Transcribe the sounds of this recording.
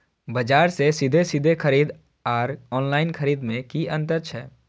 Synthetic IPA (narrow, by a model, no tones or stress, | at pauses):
bɐd͡ʒaːɾsesɪd̪ʱesɪd̪ʱekəɾiːd̪ | aːɾɔːnlaːɪnkʰəɾiːd̪mẽkiə̃nt̪̬əɾt͡ʃʰɛː